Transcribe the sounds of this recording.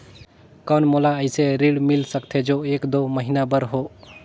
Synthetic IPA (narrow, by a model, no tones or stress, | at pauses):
kawnmɔlaəjseɾiɽmilsək̚t̪ʰɛd͡ʒoekd̪oməɦinabəɾɦo